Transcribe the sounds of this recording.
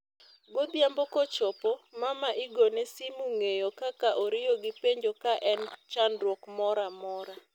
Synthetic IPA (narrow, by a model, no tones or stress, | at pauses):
ɡod̪jambɔkɔt͡ʃɔpɔmamaʔɪɡonesimuŋejokakaʔoɾɪjoɡɪpeɲd͡ʒokaʔɛnt͡ʃanɾwɔkmɔɾamɔɾa